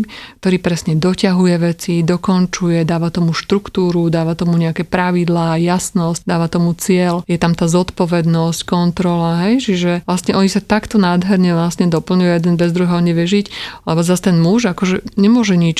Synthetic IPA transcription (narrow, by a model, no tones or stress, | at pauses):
kkt̪ɔɾiːpɾɛsɲɛd̪ɔcaɦujɛʋɛt͡sid̪ɔkɔnt͡ʃujɛd̪aːʋat̪ɔmuʃt̪ɾukt̪uːɾud̪aːʋat̪ɔmuɲɛakɛpɾaʋid̪laːjasnɔsc̚d̪aːʋat̪ɔmut͡sɪɛljɛt̪amt̪aːzɔt̪pɔʋɛd̪nɔsckɔnt̪ɾɔlaɦɛjt͡ʃiʒɛʋlast̪ɲɛʔɔɲisat̪akt̪ɔnaːd̪ɦɛɾɲɛʋlasɲɛd̪ɔpl̩ɲujujɛd̪ɛnbɛzd̪ɾuɦɛɔɲɛʋɪɛʒiclɛbɔzast̪ɛnmuʒakɔʒɛɲɛmʊɔʒɛɲit͡ʃ